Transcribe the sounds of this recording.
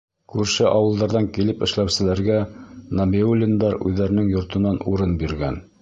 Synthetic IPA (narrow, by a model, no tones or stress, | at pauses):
kʉɾʃɘʔɑwɤ̆lˠd̪ɑɾðɑŋkilɘpɘ̆ʃlæwsɘ̆læɾɡænɐmeulʲɪnd̪ɑɾʉðːæɾɘ̆nɘŋjŏɾt̪ɤ̆nɑnuɾɤnbiɾɡæn